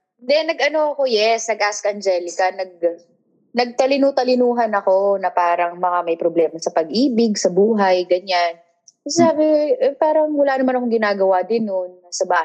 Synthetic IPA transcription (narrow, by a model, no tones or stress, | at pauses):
nd̪ɛnɐɡʔɐno̞ʔɐko̞jɛsnɐɡʔaskɐnd͡ʒɛːlɪkɐnɐɡ̚ | nɐɡ̚t̪ɐlɪnut̪ɐlɪnuːɦɐnɐko̞nɐpaːɾɐŋmɐŋamɐjpɾoblɛːmɐsɐpɐɡʔiːbɪɡsɐbuːɦɐjɡɐɲan | kɐsɛsaːbɪpaːɾɐŋwɐlaːnɐmanɐko̞ŋɡɪnaːɡɐwaːd̪ɪnːonːasɐbaː